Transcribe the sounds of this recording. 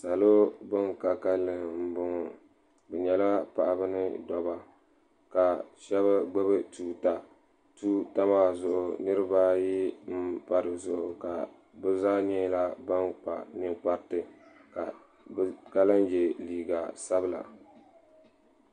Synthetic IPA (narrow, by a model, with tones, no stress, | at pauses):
sa˨lo˦bɨ˦ŋka˨ka˦lːɨ˨m̩˨bʊ˦ŋɔ˨ | bɛ˨ɲɛ˦la˦pa˨ʔa˨bɨ˦nɨ˦dɔ˨ba˨ | ka˨ʃɛ˦βa˦ɡ͡bɨ˦βɨ˦tuː˦ta˨ | tuː˦ta˦maː˦zʊ˨ʔʊ˨nɨ˦ɾɨ˦ba˦ji˦m̩˦pa˨ɾɨ˨zʊ˨ʔʊ˨ka˨ | bɨ˦zaː˦ɲɛː˦la˦ba˦ŋk͡pa˨nɨ˨ŋk͡pa˦ɾtɨ˨ | ka̰˨˦ | ka˦la˦nd͡ʒɛ˨liː˨ɡa˨sa˦bɨ˦la̰˨